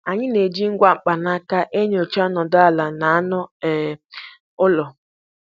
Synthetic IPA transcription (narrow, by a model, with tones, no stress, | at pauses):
a˨ɲɪ˦ne˨d͡ʒi˦ŋ̩˦ɡʷa˨ŋ͡m̩˨k͡pa˨na˦ka˦ʔe˦ɲ˦o˨t͡ʃa˦nɔ˨da˨la˨na˨˦nʊ˦ɛ˨ | ʊ˦lɔ˨